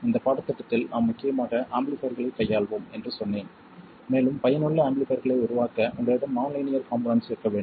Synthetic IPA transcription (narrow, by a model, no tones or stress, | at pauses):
ɪnd̪ɐpaːɽɐt̪ːɐʈːɐt̪ːɪlnʔaːmːʊkːɪjɐmaːʈːɐʔaːmblɪfɐɾɣɐɭɐɪkːɐjːaːɭʋoːmɛndrɯsɔnːeːn | meːɭɯmpɐjɐnɯɭːɐaːmbɪɭɪfɐɾɣɐɭɐɪʊɾʊʋaːkɐʔʊɳɖɐɪɽɐmːɐːʊnlɐɪnɪjɐɾkaːmbɾɐnsɪɾkɐʋeːɳɖ